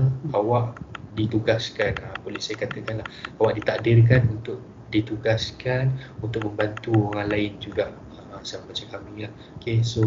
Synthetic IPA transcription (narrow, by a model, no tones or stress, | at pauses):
awaʔdit̪uɡaskanəbolɛhsajakat̪əkanlahawaʔdit̪adirk̬anunt̪ʊʔ̚ | dit̪uɡaskanunt̪ʊk̚məmbant̪uoŋanlaɪnd͡ʒuɡaʔ | əsammat͡ʃakamilah | okeso